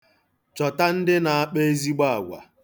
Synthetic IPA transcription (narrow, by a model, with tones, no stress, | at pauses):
t͡ʃɔ˨ta˦n̩˦dɪ˦na˨a˦˨k͡pe˦zi˦ɡ͡ba˦a˨ɡʷa̰˨